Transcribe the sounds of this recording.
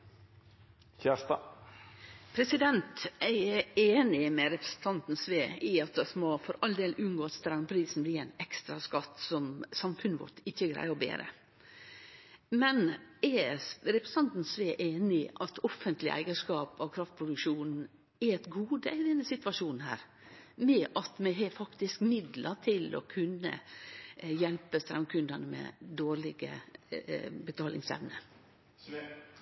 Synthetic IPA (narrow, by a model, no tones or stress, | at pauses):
çæːt̪ɑ | pʰɾɛsɪd̪ɛnt̪æeːnɪmɛɾɛpɾə̥sn̩t̪ʰɑnt̪n̩sʋeːɪɑt̪̚d̪ɑsmɔfɔɾɑld̪eːlʔʉnɡoːɑt̪st̪ɾɑŋpʰɾiːsn̩bliːæɪnɛkst̪ɾɑskɑt̪ːsɔmsɑmfʉnəʋɔ̰ʈɪçːəɡɾæ̰ɪəɾɔbḛːɾə̰ | mɛnɛɾɛpɾɛst̪ʰɑnt̪n̩sʋeːʔeːnɪʔɑt̪ʰɔfːənt̪lɪʔæ̰ɪɡəʂkɑːpɔkʰɾɑft̪pʰɾʊd̪ʉkʃuːnn̩ | ɛɾɛt̪ɡuːd̪ḛɪd̪ɛnːəsɪt̪ʋɑʂuːnn̩hæ̰ːɾ | mɛʔɑt̪mɛɦɛfɑkt̪ɪskmɪd̪lət̪ʰɪlɔ̰kʰʉnːə̰ | jɛlpəst̪ɾɛ̰mkʰʉnd̪ənəmɛ̰d̪oːɾɭɪɡə̰ | bət̪ʰɑːlɪ̰ŋsɛ̰ʋnə